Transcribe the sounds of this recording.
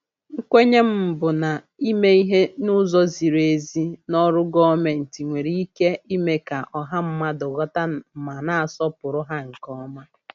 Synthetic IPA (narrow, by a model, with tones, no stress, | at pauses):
ŋ̩˦kʷe˦ɲe˦m̩˦˨bʊ˨na˨ | i˦me˦i˦ɦe˦nʊ˦zɔ˦zi˨ɾe˨zi˦nɔ˦ɾʊ˦ɡɔ˦me˨n̩˨ti˨ŋʷe˨ɾi˦ke˦i˦me˦ka˨ʔɔ˨ɦa˦m̩˦ma˦dʊ˨ɣɔ˦ta˦˨ma˨na˨a˨sɔ˦pʊ˨ɾʊ˦ɦa˦ŋ̩˨kɔ˦ma˦